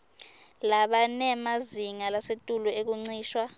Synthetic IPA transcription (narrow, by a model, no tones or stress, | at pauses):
laɓanɛmaziŋalasetʼuluek̬uŋ͡ǀiːʃwa